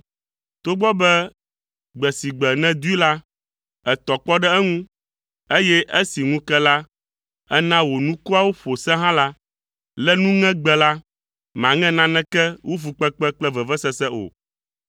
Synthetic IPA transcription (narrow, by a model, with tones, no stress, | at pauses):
t̪o˦ɡ͡bɔ˦bɛ˦ | ɡ͡bɛ˨si˨ɡ͡bɛ˨nɛ̃˦d̪u˦i˦la˦ | ɛ˨t̪ɔ˨k͡pɔ˦ɖɛ˦ɛ˦ŋũ˦ | e˦jɛ˦ʔe˦si˨ŋũ˦kɛ˦la˦ | ɛ˦nã˦wo˨nũ˦ku˦a˦wo˦ɸo˨sɛ̃˦ɦã˦la˦ | lɛ˦nũ˦ŋɛ̃˦ɡ͡bɛ˨la˦ | mã˨ŋɛ̃˦nã˦nɛ̃˦kɛ˦wʔu˦fu˨k͡pɛ˦k͡pɛ˦k͡plɛ˦vɛ˨vɛ˦sɛ˦sɛ˦ʔo̰˨